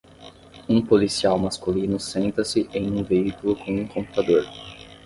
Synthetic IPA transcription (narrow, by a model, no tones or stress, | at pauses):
ũpolisiawmaskulinʊsẽnt̪ɐsɪʔẽj̃ũveikulʊkõũkõpu̥t̪ad̪oɾ